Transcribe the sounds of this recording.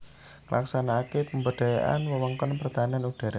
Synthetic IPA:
ŋəlʔa̰ksanakepəmbəɖ̥a̤ja̰ʔa̰nwəwɔŋkɔnpərt̪aanianud̥a̤ɾa

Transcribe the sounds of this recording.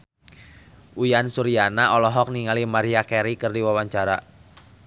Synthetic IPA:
ʔujansuɾianaɔlɔɦɔk̚niŋalimaɾiakɛɾikɨrdiwawaɲt͡ʃaɾa

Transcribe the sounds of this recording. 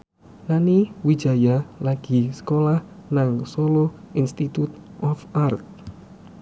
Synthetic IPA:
naniwid̥d͡ʒ̥a̤jalaɡ̥i̤sə̥kolahnaŋsolo | inst̪it̪ut̪̚ | ʔɔfart̪̚

